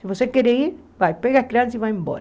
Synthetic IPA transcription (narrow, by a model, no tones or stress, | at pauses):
sivosekeɾeiɾ | bajpeɣahkɾãnsivajẽmbo̰ɾ